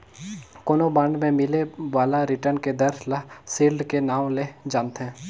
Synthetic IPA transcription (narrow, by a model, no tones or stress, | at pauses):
koːnobãːɳɖmẽmɪleʋaːlaɾɪʈəɾnked̪ɐɾlasiːlɖkenaːw̃led͡ʒãːnt̪ɦɛ̃ː